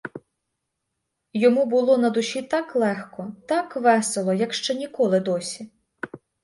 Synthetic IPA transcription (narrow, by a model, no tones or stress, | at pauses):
jɔmubʊlˠɔnɐd̪ʊʃʲit̪ɑklˠɛxkɔt̪ɑkʋɛselˠɔjɐkʃt͡ʃɛnʲikɔlˠɪd̪ɔsʲi